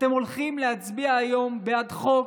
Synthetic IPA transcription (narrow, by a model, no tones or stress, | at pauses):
t̪e̞mo̞lχimlehat͡sbiaːjo̞mbead̪χo̞k